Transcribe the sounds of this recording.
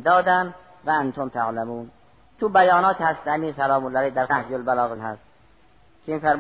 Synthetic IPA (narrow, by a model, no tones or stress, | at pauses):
d̪ɒːd̪æn | væænt̪ʰomt̪ʰaʕlæmuːn | t̪ʰubæjɒːnɒːt̪hæst̪æmiːsælɒːmolælejd̪æɾæhd͡ʒolbælɒːɣenhæ̰st̪̚ | kʲʰemiːfæɾm